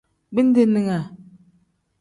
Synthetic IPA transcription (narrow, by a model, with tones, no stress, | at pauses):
bi˦n˦de˦ni˨ŋa˨